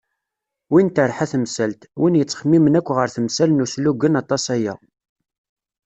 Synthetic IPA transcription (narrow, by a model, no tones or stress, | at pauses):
wint̪əɾˤħæθəmsælt̪winjət͡sːχəmːimənækʷːʁəɾθəmsælnusluɡənɑt̪ˤɑsæjæ̰